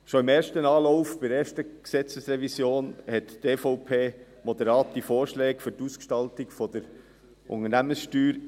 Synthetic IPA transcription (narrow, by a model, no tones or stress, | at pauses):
ʃoɪmeːɾʃtənɑːlɔʊfb̥ɪdeːʃtəksɛt͡səsɾɛvisjoːnhɛtteːfoʊpʰeː | mɔd̪əɾɑːtdifoːɾʃlɛːkfʏɾtuskʃtɑltɪkfɔd̥̪əɾ | ʔʊ̰ŋənæmənsʃtyːɾ